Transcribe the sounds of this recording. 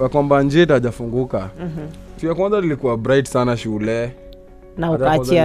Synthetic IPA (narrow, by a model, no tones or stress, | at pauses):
jakwamband͡ʒitaʄafuŋɡuka | tujakwanzanilikuabɾajtsanaʃulɛ | nauat͡ʃi